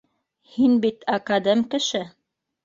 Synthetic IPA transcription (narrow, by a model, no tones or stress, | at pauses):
hinbit̪akad̪ɤmkɘ̆ʃɘ